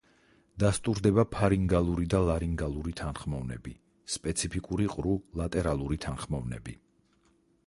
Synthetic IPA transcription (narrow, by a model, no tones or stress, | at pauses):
d̪̥ast̪ʼuɾd̪ɛbapʰaɾiŋɡalˠuɾid̪alˠaɾiŋɡalˠuɾit̪ʰanχmɔvnɛ̰bi | spʼɛt̪sʰipʰikʼuɾiqʼɾulˠat̪ʼɛɾalˠuɾit̪ʰanχmɔvnɛ̰bi